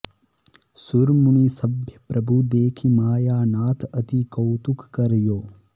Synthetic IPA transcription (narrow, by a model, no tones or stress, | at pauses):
suɾmuɳisɐbʱjɐpɾʔɐbʱud̪eːkʰimaːjaːnaːt̪ʰɐt̪ikɐwt̪ukʰːɐɾjoː